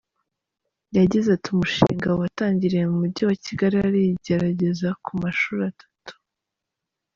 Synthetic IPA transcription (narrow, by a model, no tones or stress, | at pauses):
jaɟizatiumuʃḭːŋɡawataːɲɟiɾijemumuɾɟiwaciɡaɾiaɾiɟe̞ɾaɟe̞zakʰumaʃuːɾatʰḁtu̥